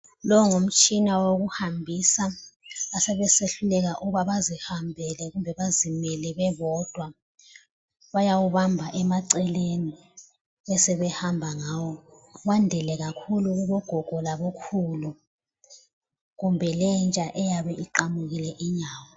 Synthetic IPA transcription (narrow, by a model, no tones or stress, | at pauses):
lɔŋom̩t͡ʃʼinawoɣuhambʱisaː | sɛβɛseɬulɛɣaʔuβaβazihambʱɛlɛɣumbʱɛβazimɛlɛβɛβɔd̥ʱwa | βajawuβambʱaʔɛmaǀɛleni | ɛsɛβɛhambʱaŋaːwɔ | βandʱɛlɛɣakʰuluɣuβɔɡ̥ʱɔɡ̥ʱɔlaβokʰulu | ɣumbʱɛlɛnt͡ʃʼaʔɛjaβɛʔiǃamuɣilɛʔiɲaːwɔ